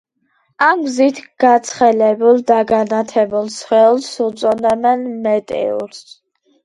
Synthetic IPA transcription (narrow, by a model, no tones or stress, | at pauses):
amɡzit̪ʰɡ̥at̪sʰχɛlɛbulˠd̪aɡanat̪ʰɛbulˠsχɛlˠsut̪sʼɔnɛmɛnmɛt̪ʼɛ̰ṵɾs